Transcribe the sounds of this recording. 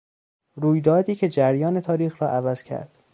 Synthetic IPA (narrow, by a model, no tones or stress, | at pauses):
ɾuːjd̪ɒːd̪iːcʰe̞d͡ʒæɾjɒːnet̪ʰɒːɾiːxɾɒːʔævæz̥cʰæ̰ɾd̪̥